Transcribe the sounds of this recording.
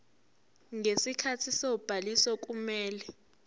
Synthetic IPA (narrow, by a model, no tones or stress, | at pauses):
ŋesikʰatʰisowb̥ʱalisɔk̬ʼumɛːlɛ